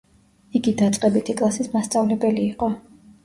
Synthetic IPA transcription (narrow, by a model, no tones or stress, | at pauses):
iɡid̪at̪sʼqʼɛbit̪ʰikʼlˠasismast̪sʼavlɛbɛliːqʼɔ